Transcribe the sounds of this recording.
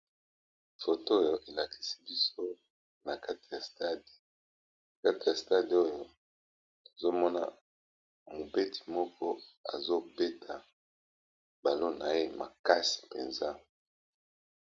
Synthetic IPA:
fo˨to˦jo˨ʔe˨la˨ki̥˨si̥˦bi˦so˦ | na˨ka˦ti˨ja˨sta˦di̥˨ | ka˦ti˨ja˨sta˦di˨o˦jo˨ | o˨zo˦mɔ˦na̰˦˨ | mo˨be˦ti̥˨mɔ˦kɔ˦a̰˨zo˦be˦tʰa˨ | ba˨lo˦na˨je˦ma˨ka˦si̥˨pḛ˨nza˦

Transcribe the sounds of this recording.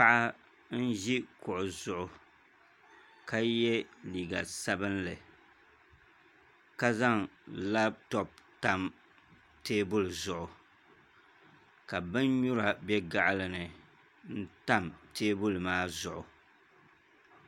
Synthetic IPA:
pa˦ʔa˦ | n̩˦ʒi˦kʊ˨ʔʊ˨zʊ˨ʔʊ˨ | ka˦jɛ˦liː˨ɡa̰˨sa˦bɨ˦nlɨ˨ | ka˦za˦ŋla˦b̚tɔ˨p̚ta˦m | teː˦bʊ˦lzʊ˨ʔʊ˨ | ka˨bɨ˦nɲu˦ɾa˨bɛ˦ɡa˨ʔlɨ˨nɨ˨ | n̩˦ta˦mteː˦bʊ˦lmaː˦zʊ˨ʔʊ˨

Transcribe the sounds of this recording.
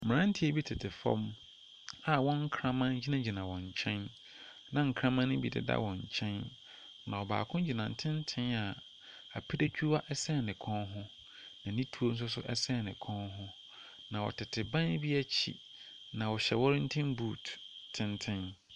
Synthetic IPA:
mɪ̃˨ã˦n̩˦tʰi˦e˦bi˦tʰɪ˨tʰɪ˨fɔ̰̃˦m | a˨wɔ̃˦ŋ̩˦kʰɾã˦mã˦nd͡ʑi˦nã˦d͡ʑi˨nã˨wɔ̃˨ɲ˨t͡ɕʰɛ̃˦n | nã˨ŋ̩˨kʰɾã˦mã˦nʊ̃˦bi˨dɪ̰˨da̰˦wɔ̃˨ɲ̩˨t͡ɕʰɛ̃˦n | nã̰˨wɔ˨ba̰ː˨kʰʊ̃˦d͡ʑi˨nã˨n˨tʰɪ̃˦n˦tʰɪ̃˦na˨ | a˨pʰi˦da˦t͡ɕʰᶣu˦wa˦ʔɛ˦sɛ˦˨nɪ̃˨kʰɔ̃˦nɦʊ̃˦ | nã˨nĩ˦tʰu˦o˦n̩˦s̬ʊ˦s̬ʊ̰˦ʔɛ̰˦sɛ˦˨nɪ̃˨kʰɔ̃˦nɦʊ̃˦ | nã˨wɔ̰˨tʰɪ˨tʰɪ˨bã˦n˦bi˦æ˦t͡ɕʰḭ˨ | nã˨wɔ˨ɕɛ˨wɔ˦ɾɪ̃˦n̩˦tʰɪ̃˦mbuː˦˨ttʰːɪ̃˦ntʰɪ̃˦n

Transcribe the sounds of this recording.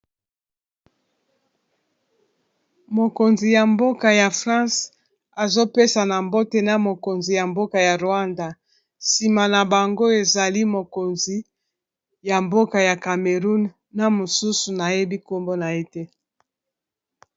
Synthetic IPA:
mo˨ko˨nzi˨ja˨mbo˦ka˨ja˨fʁã˦s | a˨zo˦pe˦sa˨na˨mbo˦te˨na˦mo˨ko˨nzi˨ja˨mbo˦ka˨ja˨ʁo˨a˦nda˨ | si˨ma˨na˨ba˨ŋɡo˦e˨za˨li˦mo˨ko˨nzi˨ | ja˨mbo˦ka˨ja˨ka˨me˨ʁu˦nː | a˦mo˨su˦su˨na˨je˦bi˦ko˦mbo˦na˨e˦tɛ˦

